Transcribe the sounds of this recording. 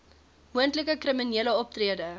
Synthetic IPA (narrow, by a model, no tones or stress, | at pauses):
muəntləkəkriminiələɔp̚triədə